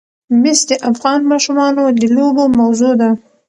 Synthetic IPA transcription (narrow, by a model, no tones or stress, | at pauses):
mɪsd̪əʔafɣɑnmɑʃumɑnod̪əlobomawzod̪a